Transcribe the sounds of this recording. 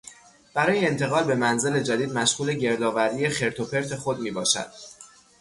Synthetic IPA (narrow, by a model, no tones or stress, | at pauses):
b̥æɾɒːjeːnt̪ʰe̞ɣɒːlbe̞mænze̞le̞d͡ʒæd̪iːd̪mæʃɣuːle̞ɟe̞ɾd̪ɒːvæɾiːjexe̞ɾt̪ʰo̞pʰe̞ɾt̪ʰe̞xod̪miːbɒːʃæ̰d̪̥̚